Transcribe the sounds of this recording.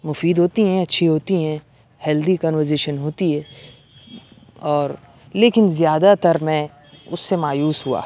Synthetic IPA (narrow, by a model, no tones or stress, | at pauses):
mʊfiːd̪ɦoːt̪iɦɛ̃ɐtːʃʰiɦoːt̪iɦɛ̃ | hɛːld̪ikɔ̃ːnʋəɾzeːʃənɦoːt̪iɦɛ̃ː | ɔːɾ | leːkɪnzjaːd̪at̪ɐɾmɛ̃ | ʊsːemaːjuːsɦua̰ː